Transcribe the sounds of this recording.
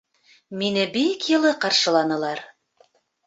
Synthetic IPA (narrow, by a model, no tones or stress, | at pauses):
minɘbikjɤ̆lˠɤqɑɾʃɤ̆lˠɑnɤ̆lˠɑɾ